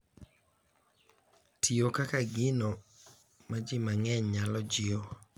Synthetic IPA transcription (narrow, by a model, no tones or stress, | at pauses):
tʰiokakaɡɪno | mad͡ʒɪmaŋɛɲɲalɔd͡ʒɪo